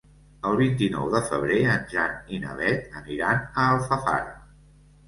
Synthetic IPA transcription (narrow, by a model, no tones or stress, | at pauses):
əlˠβint̪inɔ̰wðəfəβ̞ɾeənʲʒaninə̰βɛt̪əniɾanəːlˠfəfa̰ɾ